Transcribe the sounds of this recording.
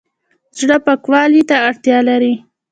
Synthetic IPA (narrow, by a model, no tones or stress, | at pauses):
zɽəpəkwɑlit̪aːɽt̪jɑlaɾi